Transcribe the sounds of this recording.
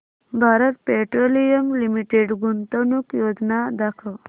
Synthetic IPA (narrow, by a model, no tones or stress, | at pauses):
bʱaːɾət̪̚peʈɾolijəmlimiʈeɖɡunt̪ənukjod̪nad̪akʰə